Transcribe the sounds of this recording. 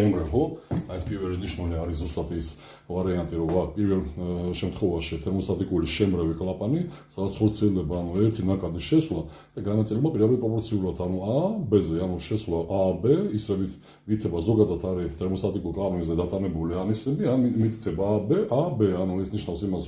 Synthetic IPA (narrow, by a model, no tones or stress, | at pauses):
ʃɛmɾɛhɔaɛspʼiɾvɛliniʃnɔniaɾiszust̪ʼat̪ʰis | vaɾiant̪ʼiɾɔvak̚ʰpʼiɾvɛlʃɛmt̪ʰχɔvaʃit̪ʰɛɾmɔst̪ʼat̪ʼikʼuliʃɛmɾɛvikʼlapʼanisad̪at̪sʰχɔɾt̪sʰiɛld̪ɛbaːnuɛɾt̪ʰinakʼad̪iʃɛswlad̪̥aɡanat̪sʼilɛbmapʼiɾabit̪̚pʼɾɔpʼɔɾt̪sʰiuɾat̪ʰanuabɛzɛanuʃɛswlaʔabɛisɾɛbit̪ʰ | vit̪ʰɛbazɔɡad̪at̪ʰaɾit̪ʰɛɾmɔst̪ʼat̪ʼikʼulkʼlˠapʼanizɛd̪at̪ʼanɛbulianisnɛbianmit̪ʰʼsʰɛbabɛʔabɛanuɛsniʃnafsimas